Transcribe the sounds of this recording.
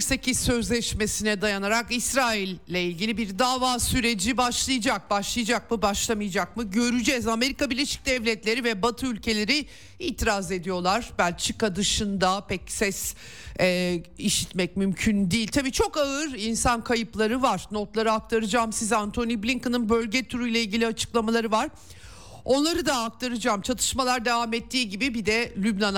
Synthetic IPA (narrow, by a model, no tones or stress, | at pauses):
ksecisø̞zlʲɛʃme̞sinɛd̪ajanaɾakisɾaːilʲːɛilʲɟilʲibiɾd̪aːvaːsyɾe̞d͡ʒibaʃlˠɯjad͡ʒak̚baʃlˠɯjd͡ʒak̚mɯbaʃlˠamɯjad͡ʒak̚mɯɟø̞ɾyd͡ʒɛzame̞ɾikabiɾlʲːeʃi̥c̚d̪ɛvlʲɛt̪lʲe̞ɾivɛbat̪ʰɯylʲcʰe̞lʲe̞ɾi | iːt̪ʰiɾaze̞d̪ijo̞lˠaɾ̥bælʲt͡ʃʰikad̪ɯʃɯnd̪apʰɛcsɛs | ɛːiʃit̪mɛc̚mymcʰynd̪ijilʲt̪ʰabiːt͡ʃʰo̞kaɯɾinsankʰajɯplˠaɾɯvaɾ̥no̞t̪lˠaɾɯak̚t̪ʰaɾɯd͡ʒaːmsizant̪ʰo̞niblʲiŋkɯnɯnbøɾʲɟɛt̪ʰuɾujlʲˠailʲɟʲilʲiat͡ʃʰɯ̥klˠamalˠaɾɯvaɾ̥ | o̞nlˠaɾɯd̪aːk̚t̪ʰaɾɯd͡ʒaːmt͡ʃʰat̪ʰɯ̥ʃmalˠaɾd̪e̞vaːmɛt̪ʰːiːɟibibid̪ɛlʲybnan